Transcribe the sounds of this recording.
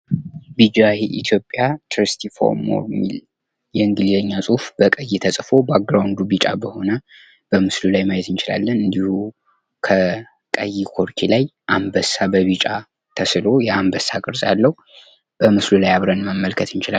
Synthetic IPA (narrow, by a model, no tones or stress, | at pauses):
bid͡ʒajʔḭt̪ʰjo̞pʼjat̪ʰɾist̪ʰifo̰ɾmo̰ɾmːḭl | jɛɨŋɡɨlizəɲːasʼufb̥əkʼəjːɪt̪ʰəsʼfo̞bak̚ɡɾawnd̪ubit͡ʃʼa̰bəho̞nə | b̥əmɨslulajmajet̪ɨnt͡ʃɪla̰lːənɨnd̪ihu | kʰə | kʼəjikʰo̞ɾkʰilajʔambəsːabəβit͡ʃʼa | t̪ʰəsɨlo̞jɛambəsːakʼɨɾsʼalːəhu | b̥əmɨslulajaβɾənməmːəlkʰət̪ɨnt͡ʃɪla